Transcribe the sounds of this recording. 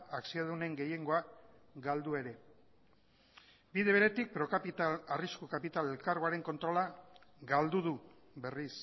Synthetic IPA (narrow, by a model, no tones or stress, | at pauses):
aksiaðune̞ŋɡe̞je̞ŋɡo̞aɡald̪ue̞ɾe̞ | biðe̞β̞e̞ɾe̞t̪ik̚pɾo̞kait̪ariskukapit̪ale̞lkaɾɣo̞aɾe̞ŋko̞nt̪ɾo̞laɡald̪uðu | be̞ris